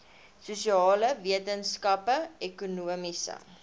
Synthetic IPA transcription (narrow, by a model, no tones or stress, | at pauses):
susiɑːləviətənskɐpəɛkunuəmisə̰